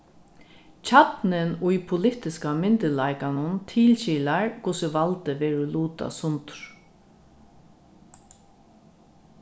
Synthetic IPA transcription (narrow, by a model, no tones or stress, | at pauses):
t͡ʃʰat̪nɪnʊjpʰʊlɪt̪ɪskamɪnt̪ɪlaɪkanʊnt̪ʰiːlɕiːlaɹkʰʊsɪʋalt̪əʋɛːɾʊluːt̪a̰sʊnt̪ɹ̥